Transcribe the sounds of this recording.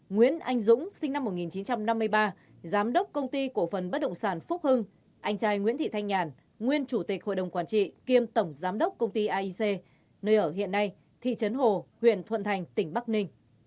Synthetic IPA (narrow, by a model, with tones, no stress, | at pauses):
ŋwḭ˧˥ənʔa˧jŋ̟zʊ̰˧˥ŋ͡msï˧ŋ̟na˧mːo˨˩t̚ŋi˨˩nt͡ɕi˨˦nt͡ɕa˧mna˧mːɨ˧əjɓaː˧ | zaː˨˦mɗə˦˥wk͡p̚kə˧wŋ͡mt̪i˧ku˧˩fə˨˩nɓə˦˥t̚ɗə̰˧˨ŋ͡msaː˧˩nfʊ˦˥k͡p̚hɨ˧ŋ | ʔa˧jŋ̟t͡ɕaː˧jŋwḭ˧˥t̪ḭ˧˨t̪ʰa˧jŋaː˨˩n | ŋwi˧ənt͡ɕu˧˩t̪ï˨˩k̟̚ho̰˧˨jɗə˨˩wŋ͡mkwaː˧˩nt͡ɕḭ˧˨ki˧əmt̪ə˧˩wŋ͡mzaː˨˦mɗə˦˥wk͡p̚kə˧wŋ͡mt̪i˧ʔaː˧ʔi˧se˧ | nəː˧jʔəː˧˩ɦḭ˧˨ənːa˧j | t̪ʰḭ˧˨t͡ɕə˨˦nɦo˨˩hwḭ˧˨ənt̪ʰwə̰˧˨nt̪ʰa˨˩jŋ̟t̪ï˧˩ŋɓa˦˥k̚nï˧ŋ̟